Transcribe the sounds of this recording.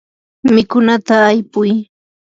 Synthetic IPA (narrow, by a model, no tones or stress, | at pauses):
mɪkʊnat̪aːjpʊj